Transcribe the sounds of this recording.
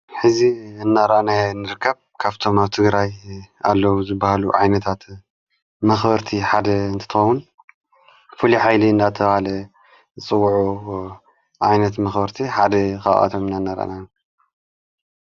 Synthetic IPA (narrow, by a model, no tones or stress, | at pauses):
ħɨziɨnːaɾanajɨnːɨɾɨkʰːɐβ | kʰaβt̪ʰo̞maβt̪ʰɨɡɾaja̰lːɐwuzɨbːahaluʕajnɐt̪ʰat̪ | mɐxbɐɾt̪ʰiħad̪ɐɨnt̪ʰɐ̥t̪ɨxɐwːun | fɨliħajlind̪at̪ʰɐβahalɐ | zɨt͡sʼɨwːʕu | ʕajnɐt̪mɐxbɐɾt̪ʰiħad̪ɐxa̰ʔa̰t̪ʰomɨnːanːaɾa̰ʔnaju